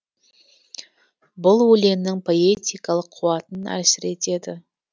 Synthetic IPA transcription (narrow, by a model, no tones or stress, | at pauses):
bʊlˠwɵle̞mnɪŋpʰo̞e̞t̪ʲijkɑlˠəqʰːuwɑt̪ənæ̰sɪɾe̞t̪e̞d̪ɪ